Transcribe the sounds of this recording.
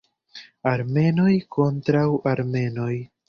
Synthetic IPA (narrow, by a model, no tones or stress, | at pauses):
aɾme̞no̞jko̞ntɾawaɾme̞no̞j